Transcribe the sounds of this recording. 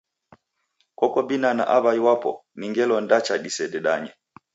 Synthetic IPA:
kɔkɔbinana̰ʔaβajiwapɔ̰niŋɡɛlɔndat͡ʃaɗisɛdɛɗaɲɛ

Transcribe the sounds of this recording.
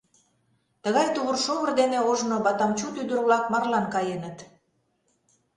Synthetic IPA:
t̪əɣɑjt̪uβərʃoβərd̪eneoʒnoβɑt̪ɑmt͡ɕut̪yd̪əɾβlɑkmɑrlɑnkɑjenət̪

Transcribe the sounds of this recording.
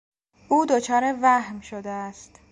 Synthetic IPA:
ʔuːd̪ot͡ʃʰɒːɾe̞væhmʃod̪eæst̪

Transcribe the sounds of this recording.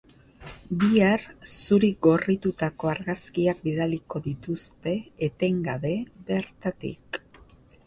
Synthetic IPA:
biaɾsuɾiɡo̞rit̪ut̪ako̞aɾɣaskiak̚biðaliko̞ðit̪ust̪e̞ːt̪e̞ŋɡaβe̞βe̞ɾt̪at̪ḭk

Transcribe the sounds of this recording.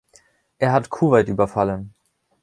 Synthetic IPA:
ʔeːɐɦatkʰuːvaɪtʔyːbɐfalən

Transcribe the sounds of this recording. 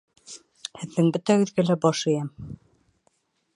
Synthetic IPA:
hɘ̆ðːɘŋbɵt̪æʉ̆ðɡælæbɑʃɤ̆jɑm

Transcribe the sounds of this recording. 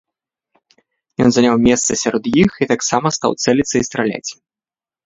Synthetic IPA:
jɔnzanʲawmʲɛst̪sɐsʲaɾɔd̪jixit̪aksamɐst̪a̰wt̪sɛlʲit̪sɐist̪ɾalʲa̰t͡sʲ

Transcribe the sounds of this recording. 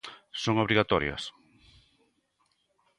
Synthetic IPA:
soŋoβɾiɣat̪ɔɾjɐ̰s

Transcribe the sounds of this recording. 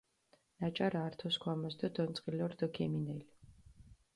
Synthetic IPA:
nat͡ʃʼaɾaːɾt̪ʰɔskʰwamɔsd̪ɔd̪ɔnt̪sʼqʼilɔɾd̪ɔkʰɛminɛli

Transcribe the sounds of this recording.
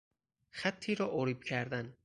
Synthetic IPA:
xæt̪ʰːiːɾɒːʔoɾiːb̚cʰæɾd̪æn

